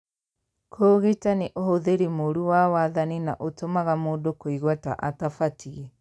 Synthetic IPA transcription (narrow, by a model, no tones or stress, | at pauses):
kʰoːɣetaneʔohoðeɾemoɾuwawaðanina̰ʔotomaɣamoːdokoiɣwata̰ʔatafatʰie